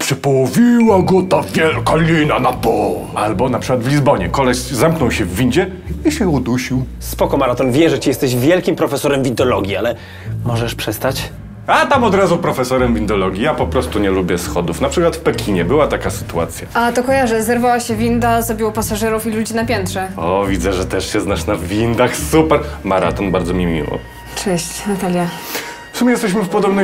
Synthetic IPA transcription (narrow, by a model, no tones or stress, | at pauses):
pʂɛpɔwɔvʲiwaɡɔt̪avʲjɛlkalʲinanapɔlalbɔnapʂɘkwad̪vlʲizbɔɲɛkɔlɛszamknɔwɕɛvːʲind͡ʑɛ | iɕɛud̪uɕiw | spɔkɔmaɾat̪ɔnvʲjɛʐɛt͡ɕijɛst̪ɛʑvʲjɛlkʲimpɾɔfɛsɔɾɛmvʲind̪ɔlɔɡʲialɛ | mɔʐɛʂpʂɛst̪at͡ɕ | at̪amɔd̪ɾazupɾɔfɛsɔɾɛmvʲind̪ɔlɔɡʲijapɔpɾɔst̪uɲɛlubʲjɛsxɔd̪ufnapʂɘkwat̪fpɛkʲʰiɲɛbɘwat̪akasɘ̥t̪ua̰t̪sʲja̰at̪ɔkɔjaʐɨzɛɾvawaɕɛvʲind̪azɾɔbʲiwɔpasaʐɛɾufilud͡ʑinapʲjɛnt̪ʂɛɔvʲid̪zɛʐɛt̪ɛʂɕɛznaʂnavʲind̪axsupɛɾmaɾa̰t̪ɔnbaɾd̪zɔmʲimʲḭwɔ̰ | t͡ʂɛɕt͡ɕnat̪alʲja | fsumʲɛjɛst̪ɛɕ̬mɘfpɔd̪ɔbnɛ